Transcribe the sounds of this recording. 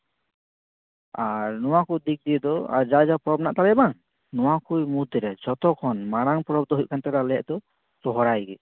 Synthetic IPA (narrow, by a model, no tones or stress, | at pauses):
aɾnɔwakud̪ik̚d̪iɛd̪ɔa̰ɾd͡ʒad͡ʒapɔɾɔbnaʔt̪aɾɛbaŋ | nɔwakujmud̪ɛɾad͡ʒɔt̪ɔkʰːɔnmaɽ̃aŋpɔɾɔb̚d̪ɔɦuc̚kant̪ɛɾalɛjɛ̰ʔd̪ɔ | sɔɦɔɾajɡɛ